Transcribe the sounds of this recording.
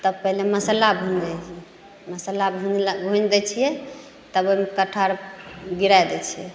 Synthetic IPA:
t̪əbpəɦleməsəlabʱũnd̪ɛd͡ʒʰ | məsəlabʱũnbʱũnd̪ɛt͡ʃʰijɛ | t̪əbojmekəʈʰaɾɡiɾajd̪ɛt͡ʃʰijɛ

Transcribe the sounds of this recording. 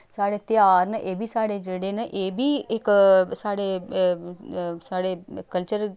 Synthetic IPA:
saːɽeːt̪ɪjaːɾnəʔeːbʱiːsaːɽeːd͡ʒeːɽeːnəʔeːbʱiːɪksaːɽeː | saːɽeːkəlt͡ʃəɾ

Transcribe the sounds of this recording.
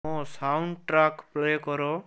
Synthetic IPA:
ɔsawɳɖʈɾakplekɔɾɔ

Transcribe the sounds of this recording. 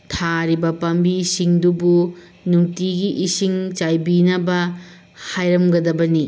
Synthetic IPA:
tʰaɾibɐpɐmbisiŋdubu | nuŋtiɡiʔisiŋt͡ʃajbinɐbɐ | hajɾɐmɡɐdɐbɐni

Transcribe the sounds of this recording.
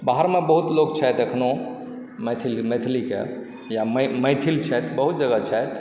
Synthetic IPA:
baɦəɾmebəɦut̪lok̚t͡ʃʰɛt̪əkʰno | met̪ʰilmet̪ʰlikḛ | jamməjt̪ʰilt͡ʃʰɛt̪bəɦut̪̚d͡ʒəɡət͡ʃʰɛt̪

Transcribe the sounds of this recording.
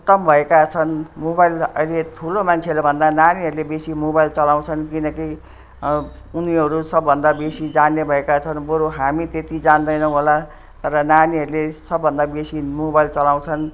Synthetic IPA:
ut̪ʌmbʱʌekat͡sʰʌnmobajlʌ̰jlet̪ʰulomant͡sʰeʌɾobʱʌnd̪ananiɦʌɾulebesimobajlt͡sʌlaw̃t͡sʰʌnkinʌki | uniɦʌɾusʌbːʱʌnd̪abesid͡zanːebʱʌekat͡sʰʌnbʌɾuɦamit̪et̪id͡zand̪ʌjnʌw̃ɦola | t̪ʌɾʌnaniɦʌɾulesʌbːʱʌnd̪abesimobajlt͡sʌlaw̃t͡sʰʌn

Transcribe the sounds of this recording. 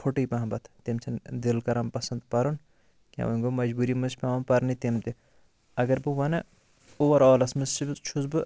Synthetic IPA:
fʰoʈiːpʲaɐmbɐt̪ʰt̪imt͡ʃʰɐnd̪ilkɐɾɐmpɐsɐnd̪pɐɾun | kʲa̰ʋɐŋɡomɐd͡ʒbuːɾimɨsʰpʲaɐmpɐɾnit̪imt̪i | ɐɡɐɾbɨʋɐnɐ | uʋɐɾɔːlɐsmɨst͡ʃʰit͡ʃʰuzbɨ

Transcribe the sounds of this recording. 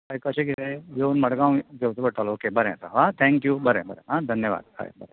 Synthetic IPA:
ɐjkɐt͡ʃekid̪ejeːnmɐɽɐɡaːwɡeʋt̪ɐbɐʈːaːloːkebɐɾesa̰ʋat̪ʰɛːŋkjubɐɾḛbɐɾḛɦãːd̪ʱɐnjɐʋa̰ːd̪ha̰ːjbɐɾe

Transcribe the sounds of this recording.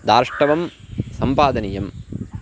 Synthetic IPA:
d̪aːɾʂʈɐʋɐmsɐmpaːd̪ɐnijɐm

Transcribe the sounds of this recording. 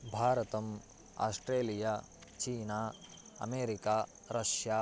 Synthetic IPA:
bʱaːɾɐt̪ɐm | a̰ːsʈɾeːlijaː | t͡ʃiːnaː | ɐ̰meːɾikaː | ɾɐʃjaː

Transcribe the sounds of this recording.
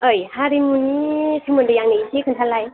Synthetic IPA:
ɯjhaɾimunitʰɯŋmɯndɯjaŋniitʰikʰɯntʰalaj

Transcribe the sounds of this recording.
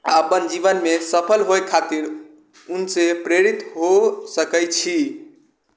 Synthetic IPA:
bənd͡ʒiβənmesəpʰəlɦoekʰːat̪iɾ | unsepɾeɾit̪ɦosəkəjt͡ʃʰi

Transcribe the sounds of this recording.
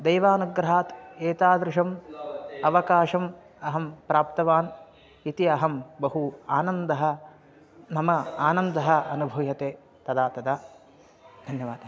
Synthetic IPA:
d̪ɐjʋaːnuɡɾɐɦaːt̪eːt̪aːd̪ɾɪʃɐm | ɐʋɐkaːʃɐm | ɐɦɐmpɾaːpt̪ɐʋaːn | it̪iɐɦɐmbɐɦuaːnɐnd̪ɐɦɐ̆ | mɐmɐaːnɐnd̪ɐɦɐɐnubʱɐjɐt̪eː | t̪ɐd̪aːt̪ɐd̪aː | d̪ʱɐnjɐʋaːd̪ʱɐ

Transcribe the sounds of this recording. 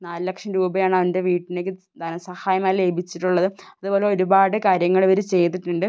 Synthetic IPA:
naːlɨlɐkʂɐmɾuːbɐjaːɳɐʋɐnde̞ʋiːʈːinekʲːɨ | t̪ɐnɐsɐhaːjɐmaːjile̞ːbʱit͡ɕːiʈːuɭːɐðɨɐðubo̞ːle̞o̞ɾubaːɽɨkaːɾjɐŋːɐɭʋɐɾut͡ɕe̞jt̪̬ːiʈːuɳɖɨ

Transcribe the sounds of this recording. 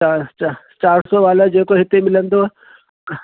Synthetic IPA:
a | t͡ʃaːɾsɔʋaːlad͡ʑeːkoɦɪt̪emɪlə̃nd̪o

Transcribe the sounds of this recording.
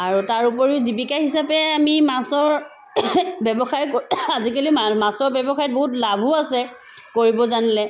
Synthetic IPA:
aɹutaɹupɔɹiʊzibikaɦisapɛamimasɔɹ | bjɛbɔxajkazikalimamasɔɹbjɛbɔxajt̚boɦutlabʱuasɛ | koɹibɔzanilɛ

